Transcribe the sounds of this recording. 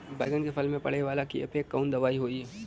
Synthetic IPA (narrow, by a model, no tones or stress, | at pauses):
ba̰ːɪɡənkepʰəlmẽpɐ̰ɽ̤eʋaːlakiə̰peːkːəːnd̪ɐʋaːiɦoːi